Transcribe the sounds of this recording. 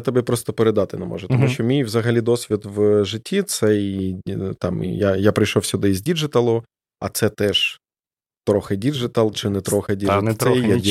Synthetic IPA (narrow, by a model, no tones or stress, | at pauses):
t̪ɔbɛpɾɔst̪ɔpeɾed̪ɑt̪ɪnɛmɔ̰ʒʊt̪ɔmuʃʃt͡ʃɔmʲijʋzɐɦɐlʲid̪ɔsʲʋʲit̪ʋʒɪtʲːit̪sɛjt̪ɑm̰jajapɾɪjʃɔwsʲʊd̪ɪizʲdʲid͡ʒɪt̪ɐlˠʊ | ɐ̰t̪sɛt̪ɛʒ̥ | t̪ɾɔxɪdʲid͡ʒɪt̪ɐlˠt͡ʃɪnɛt̪ɾɔxɪdʲinɛa